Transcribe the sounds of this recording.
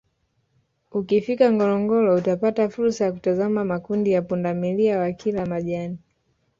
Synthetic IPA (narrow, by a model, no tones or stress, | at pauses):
ukifikaŋɡɔlɔŋɡɔlɔutapatafuɾsajaku̥tazamamakundijapundamiliawakʰilamaʄani